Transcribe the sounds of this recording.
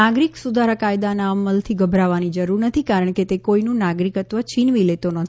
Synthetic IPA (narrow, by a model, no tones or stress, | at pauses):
aɡɾiksud̪ʱaɾakajd̪anaəməlt̪ʰiɡəbʱɾaʋanid͡ʒəɾuɾnət̪ʰikaɾəɳ̃ket̪ekoinũnaɡɾikət̪ʋət͡ʃʰinʋilet̪onɔt̪ʰ